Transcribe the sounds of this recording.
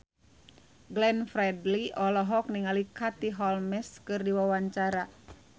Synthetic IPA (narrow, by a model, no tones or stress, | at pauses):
ɡlɛnfɾɛdliʔɔlɔɦɔk̚niŋalikat̪iɦɔlmɛskɨrdiwawaɲt͡ʃaɾa